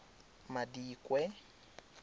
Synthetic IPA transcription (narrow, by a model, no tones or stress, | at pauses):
madiːkʼwɛ